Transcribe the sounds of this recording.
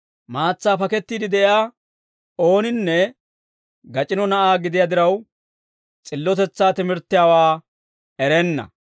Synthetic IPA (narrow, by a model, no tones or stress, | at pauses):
maːt͡sːaːpɐkɛt̪ːiːd̪ɪd̪ɛʔjaː | o̞ːnɪnːɛ | ɡɐt͡ʃʼɪnɔnɐʔaːɡɪd̪ɪjad̪ɪɾɐw | t͡sʼɪlːɔt̪ɛt͡sːaːt̪ɪmɪɾt̪ːɪjaːwaː | ɛɾɛnːɐ̰